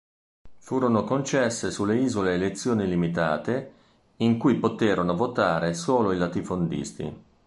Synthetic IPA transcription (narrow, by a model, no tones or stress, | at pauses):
fuːɾonokont͡ʃɛsːesulːeiːzoleːlet̪sːjoːnilimit̪a̰ːt̪e | iŋkujpot̪eːɾonovot̪aːɾesoːloilat̪ifond̪ḭst̪ḭ